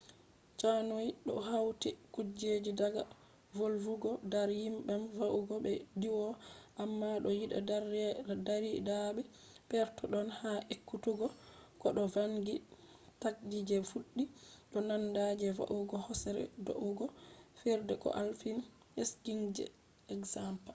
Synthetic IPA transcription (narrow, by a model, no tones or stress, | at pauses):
t͡ʃanojɗɔ̰hawtikud͡ʒed͡ʒidaɡa | volvuɡɔdaɾjimbɛnvaʔuɡɔɓɛdiwɔʔamːaɗɔjiɗa̰daɾɛdaɾidaɓɛ | pɛɾtɔɗɔnhaʔekːutuɡɔkɔɗɔvaŋɡi | tak̚d͡ʒid͡ʒɛfuɗːiɗɔnandad͡ʒɛva̰ʔuɡɔhɔsɛɾɛ̰do̰ʔuɡɔfɛɾdɛkɔ̰ʔalfin | eskiŋd͡ʒɛ̰ | ɛkzampa